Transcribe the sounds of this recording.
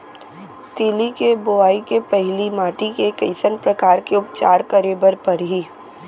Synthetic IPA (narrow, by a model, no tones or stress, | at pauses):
t̪eːlikebʊaːikepɛɦlimaːʈikekɐɪsənpɾɐkaːɾkeʊpt͡ʃaːɾkɐɾeːbəɾpɐɾɦiː